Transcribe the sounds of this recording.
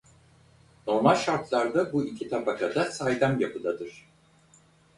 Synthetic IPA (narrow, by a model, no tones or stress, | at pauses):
no̞ɾmalʲʃaɾt̪ʰlˠaɾd̪abuicʲʰit̪ʰapʰakʰad̪asajd̪amjapʰɯlˠad̪ɯɾ̥